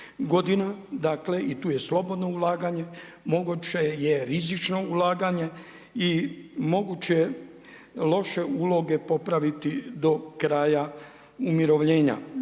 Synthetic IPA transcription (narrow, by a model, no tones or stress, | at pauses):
ɡo̞d̪inad̪akle̞ʔit̪uːjeslo̞bo̞d̪no̞ulaːɡaɲe̞ | mo̞ɡut͡ɕeje̞ɾizit͡ʃno̞ulaːɡaɲe̞ | imo̞ɡut͡ɕeje | lo̞ʃe̞uːlo̞ɡe̞po̞pɾaʋit̪id̪o̞kɾaːja | umiɾo̞ʋʎe̞ːɲa̰